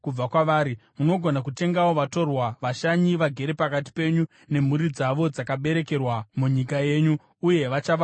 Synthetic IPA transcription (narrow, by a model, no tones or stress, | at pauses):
kub͡vakwaʋaːɾimuno̞ɡʱo̞nakute̞ŋɡawo̞ʋato̞rwaʋaʃaɲiʋaɡʱe̞ɾepakat̬i̥pe̞ɲu | ne̞m̤uɾid͡zaʋo̞d͡zakaɓe̞ɾe̞ke̞rwamuɲikaje̞ːɲuː | je̞ʋat͡ʃaʋa